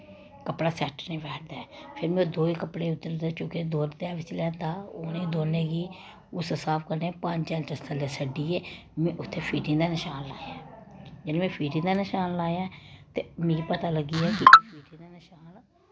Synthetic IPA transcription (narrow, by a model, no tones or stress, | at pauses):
kəpɽaːsɛːʈənĩːʋɛːʈd̪aːɛːpʰɪɾmɛ̃õd̪oːiːkəpɽeːʊt̪ːəɾd̪eːt͡ʃõːked̪oːɾd̪aːʋɪt͡ʃlɛ̃ːt̪aːoːnẽːd̪oːnẽːɡiː | ʊssaːpʰkəɾneːpəɲd͡ʒt͡ʃɛ̃nt͡ʃəst̪əleːsəɖiːeː | mɛ̃ːʔʊt̪ʰːeːpʰiːʈɪ̃ːd̪aːnɪʃaːnlaːjãːd͡ʒelẽːmɛ̃ːpʰiːʈɪ̃ːd̪aːnəʃaːnlaːjaːt̪eːmẽːɡipət̪aːləɡiːɛːkipʰiːʈɪ̃ːd̪aːnɪʃaːn